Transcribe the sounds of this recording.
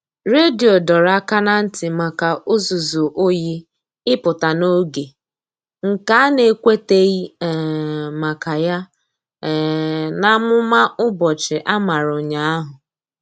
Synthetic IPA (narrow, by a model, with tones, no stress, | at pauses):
ɾe˦di˨o˨dɔ˨ɾa˦ka˦na˦n̩˦tɪ˨ma˨ka˨ʔʊ˦zu˨zu˨ʔo˦ji˦ | ɪ˦pʊ˨ta˨no˦ɡe˨ | ŋ̩˨ka˦a˦ne˨˦kʷe˦te˦i˦˨ | ma˨ka˨ja˦˨ | na˦mʊ˦ma˦ʔʊ˦bɔ˨t͡ʃɪ˨ʔa˦ma˨ɾʊ˨ɲa˨a˦ɦʊ˨